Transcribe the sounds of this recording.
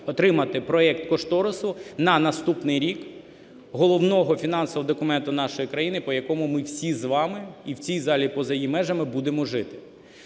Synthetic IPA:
ɔt̪ɾɪmɐt̪ɪpɾɔɛkt̪kɔʃt̪ɔɾɔsʊnɐnɐst̪upnɪjɾʲik | ɦɔlˠɔwnɔɦɔfʲinɑnsɔʋɔd̪ɔkʊmɛnt̪ʊn̪ɑʃɔjikɾɐjinɪpɔjɐkɔmʊmɪwsʲizʋɑmɪiwt͡sʲijzɑlʲipɔzɐjimɛʒɐmɪbud̪emɔʒɪt̪ɪ̥

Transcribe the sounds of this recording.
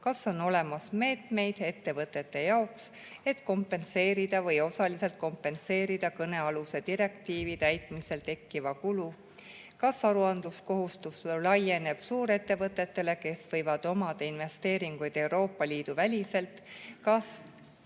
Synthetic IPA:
kɑsːo̞no̞le̞mɑsme̞ːt̪me̞jd̪̥e̞t̪ːe̞vɤt̪ːˑe̞t̪ːe̞jɑoks | e̞t̪ˑko̞mpːˑe̞nse̞ːɾid̪̥ɑvɤjo̞sɑlise̞lt̪̚ko̞mpːe̞nse̞ːɾid̪̥ɑkɤne̞ɑluse̞d̪̥iɾe̞kt̪iːvit̪æjt̪ˑmise̞lt̪e̞kːivɑkulu | kɑsɑɾuɑnd̪̥lusko̞ɦust̪uslɑjene̞b̥suːɾe̞t̪ːe̞vɤt̪ˑːe̞t̪ːe̞le̞ke̞svɤ̞jvɑd̪̥o̞mɑd̪̥einve̞st̪e̞ːɾiŋɡ̥ujd̪̥e̞wɾo̞ːpːˑɑliːd̪̥uvælʲise̞lt̪kɑs

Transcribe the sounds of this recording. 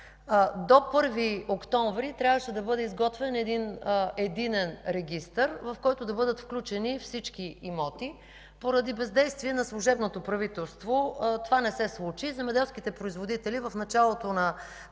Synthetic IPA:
d̪opɤɾviokt̪ɔɱvɾit̪ɾʲjavəʃɛd̪ɐbɤd̪ɛizɡɔt̪vɛnɛd̪inɛd̪inɛnɾɛɡ̟ʲist̪əɾvɐfkɔjt̪ʊd̪ɐbɤd̪ət̪fklʲut͡ʃɛnifsit͡ʃk̟iimɔt̪i | poɾɐd̪ibɛzd̪ɛjst̪viɛnɐslˠuʒɛbnot̪opɾɐvit̪ɛlˠst̪vot̪ovanɛsɛslˠut͡ʃizɛmɛd̪ɛlˠsk̟it̪ɛpɾoizvod̪it̪ɛlivɐfnɐt͡ʃalˠot̪onɐ

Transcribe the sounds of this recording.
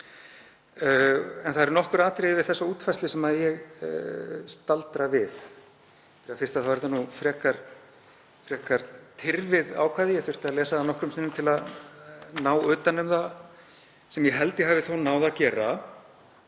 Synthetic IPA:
ɛnθaðɾnɔhkʏɾaːt̪ɾɪðvɪðθɛsːauːt̪fast̪lɪsɛmaðjɛɣ | st̪alt̪ɾavɪð | θɛɾjafɪ̥t̪aθawvɛɾɪt̪anufɾɛːkaɾ | fɾɛːkaɾ̥t̪ʰɪɾvɪða̰wkʰvaːðjɛθʏ̥t̪aðlɛːsaðanɔhkɾʏmsɪnːʏmt̪ʰɪlað | naːwʏːt̪anʏmða | sɛmjɛɦɛlt̪ɪɦaːvɪθownaːwðacɛːra

